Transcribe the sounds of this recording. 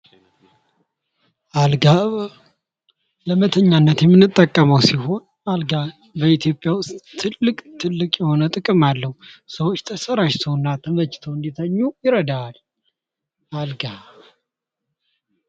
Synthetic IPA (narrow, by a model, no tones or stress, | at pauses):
ʔalɡa | ləmət̪ʰəɲːanːət̪jɛmːɨnːɨt̪ʼːəkʼːəməwsiɦo̞n | alɡa | bəit̪ʰjo̞pʼːjawʊst̪ːʰɨlːɨkʼt̪ʰɨlːɨkʼjɛho̞nət̪ʼɨkʼɨmalːəhusəwot͡ʃːt̪ʰəsəɾaʃt̪ʰəwnːat̪ʰəmət͡ʃːt̪ʰəwɨnd̪it̪ʰəɲːujɪɾəd̪al | ʔalɡa